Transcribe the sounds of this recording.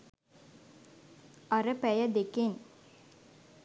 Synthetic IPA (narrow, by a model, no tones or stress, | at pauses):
aɾəpæjəd̪eken